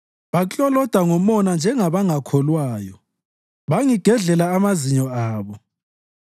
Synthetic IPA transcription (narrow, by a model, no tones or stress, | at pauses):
βat͡ɬʼɔlɔd̥ʱaŋɔmɔnand͡ʒʱɛŋaβaŋakʰɔlwaːjɔ | βaŋiɡ̥ʱɛɮɛlaːmaziɲɔaːβɔ